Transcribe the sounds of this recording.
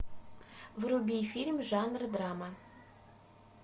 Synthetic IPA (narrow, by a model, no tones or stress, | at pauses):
vrubʲifʲilʲmʲʒɑnrd̪rɑma